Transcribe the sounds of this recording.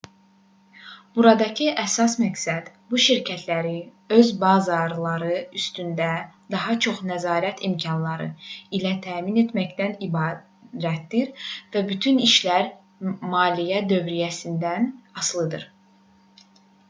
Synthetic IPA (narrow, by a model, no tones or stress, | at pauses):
b̥uɾɑd̪ɑcʰɯʔæsɑsmæksæd̪̥ | buʃiɾcʰæt̪ʰlæɾi | ø̞zbɑzɑɾlˠɑɾɯyst̪ynd̪æd̪ɑɦɑt͡ʃʰo̞χnæzɑːɾæt̪ʰimcʰɑnlˠɑɾɯ̰ilæt̪ʰæːmine̞t̪mæçd̪ænibɑː | ɾæt̪d̪iɾvæbyt̪ʰyniʃlæɾ | mɑːlijæd̪ø̞vɾijæsind̪ænɑslˠɯd̪ɯ̰ɾ